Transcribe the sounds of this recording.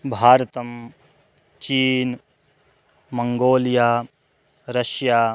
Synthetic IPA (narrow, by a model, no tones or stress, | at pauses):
bʱaːɾɐt̪ɐm | t͡ʃiːn | mɐŋɡoːlijaː | ɾɐʃjaː